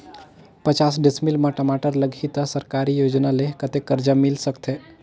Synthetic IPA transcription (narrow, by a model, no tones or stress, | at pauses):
pət͡ʃaːsɖɪsmɪlmãʈəmaʈəɾləɡʱit̪əsəɾkaːɾijoːd͡ʒnalekət̪ekːəɾd͡ʒamɪlsəkt̪ʰe